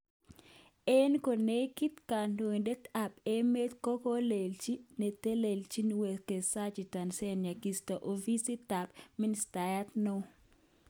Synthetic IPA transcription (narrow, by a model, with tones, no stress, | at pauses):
e˦nko˨ne˦ki˦t̪ka˨ndo˨nde˦t̪a˨pe˦me˦t̪kɔ˦kɔ˦le˨lt͡ʃi˦ne˨t̪e˦le˨lt͡ʃi˦n˨we˨ke˨sa˦t͡ʃi˨ta˨nsɛ˦nɲa˨ki˨stɔ˨ʔo˨vi˦si˦t̪a˨pmi˦nsta˨ja˦t̪no˦